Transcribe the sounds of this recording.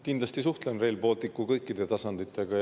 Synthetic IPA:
kind̪lɑst̪isuht̪lenre̞ːlpo̞ːlt̪ikːˑukɤjkːˑid̪̥e̞t̪ɑsɑnd̪it̪ːˑe̞ɡ̥ɑ

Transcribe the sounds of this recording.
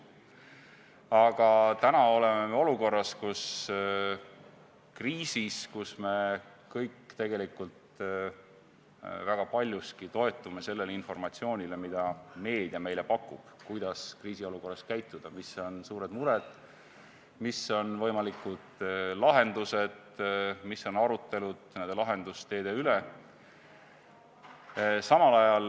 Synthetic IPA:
ɑɡ̥ɑt̪ænɑo̞le̞me̞meo̞luko̞rːɑskus | kriːsiskusme̞ | kɤjkːt̪e̞ɡ̥e̞likult̪ | væɡ̥ɑpɑlʲjuskit̪o̞e̞t̪ːˑume̞se̞lːelinfo̞rmɑt̪sio̞ːnʲile̞mid̪̥ɑme̞ːd̪̥iɑme̞jle̞pɑkːˑub̥kujd̪̥ɑskriːsio̞luko̞rːɑskæjt̪ˑːud̪̥ɑmiso̞nsuːɾe̞d̪muɾed̪̥ | miso̞nvɤjmɑlikːˑud̪̥lɑɦe̞nd̪use̞d̪̥ | misːo̞nɑɾut̪ːˑe̞lud̪̥nend̪e̞lɑɦe̞nd̪̥ust̪e̞ːd̪̥eyle | sɑmɑlɑjɑl

